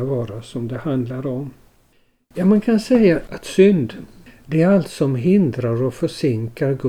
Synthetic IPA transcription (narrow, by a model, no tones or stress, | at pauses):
vɑːɾasɔmd̪ɛhand̪laɾɔm | jaːmankʰansɛjːaʔat̪sʏnd̪ | d̪ɛæɾalt̪sɔmɦɪnd̪ɾaɾɔfœʂɪŋkaɾɡɵ